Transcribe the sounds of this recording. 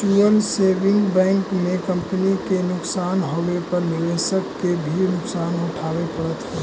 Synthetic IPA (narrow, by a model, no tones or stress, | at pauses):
ʈuəlseːbɪ̃ŋɡbɛ̃ːŋkmẽkə̃mpənikenʊksaːnɦoʋepəɾnɪɾeːsəkːebʱinʊksaːnʊʈʰaːʋepəɽət̪ɦɛː